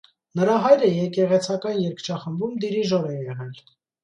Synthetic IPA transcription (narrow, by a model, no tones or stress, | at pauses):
nəɾɑɦɑjɾəjɛkɛʁɛt͡sʰɑkɑnjɛɾkʰt͡ʃʰɑχəmbumd̪iɾiʒɔɾɛjɛʁɛl